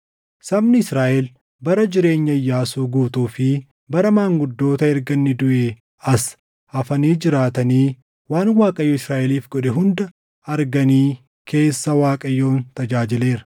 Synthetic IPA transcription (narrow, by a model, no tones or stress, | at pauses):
sɐbnɪɪsɾaːʔɛl | bɐɾɐd͡ʒɪɾe̞ːɲːɐjːaːsuːɡuːt̪uːfɪ | bɐɾɐmaːŋɡʊd̪ːo̞ːt̪ɐɛɾɡɐnːɪd̪ʊʔeː | ɐs | hɐfɐniːd͡ʒɪɾaːt̪ɐniː | waːnwaːkʼɐjːʊɪsɾaːʔɛliːfɡɔᶑɛɦʊnd̪ɐ | ɐɾɡɐniː | kʰe̞ːsːɐwaːkʼɐjːo̞ːnt̪ɐd͡ʒaːd͡ʒɪle̞ːɾɐ̥